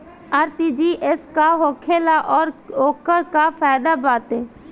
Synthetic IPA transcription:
əɾt̪id͡ʒiːʔɪskaɦoːkʰeːlaʔɔːɾoːkəɾkafaːɪd̪abaːt̪ɦɛː

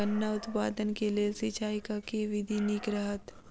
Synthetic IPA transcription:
ənːaʊt̪paːd̪ənkeliesit͡ʃaːikakeʋɪd̪ʱinikɾəɦət̪

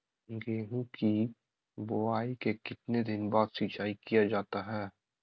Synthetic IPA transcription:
ɡeːɦũki | boaːikekɪt̪ned̪ɪnbaːd̪sit͡ʃaːikijad͡ʒaːt̪aɦɛː

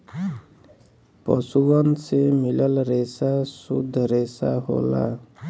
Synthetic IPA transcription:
pɔsuɡɔnsemilɔlɾesasud̪ʱɾesaɦo̰la̰

